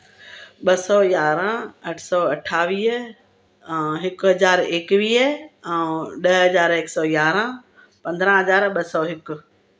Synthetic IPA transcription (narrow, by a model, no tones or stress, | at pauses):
ɓɐsɔːjaːɾə̃ɐʈʰsɔːɐʈʰaːʋiːɦ | ɦɪkɦɐzaːɾeːkʋiːɛ̃ɗɐɦɦɐzaːɾeːksɔːjaːɾã | pɐ̃nd̪ɾãɦɐzaːɾɓɐsɔːɦɪkʊ